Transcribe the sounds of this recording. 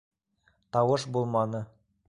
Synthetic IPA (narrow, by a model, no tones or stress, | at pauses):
t̪ɑwɤʃbulˠmɑnɤ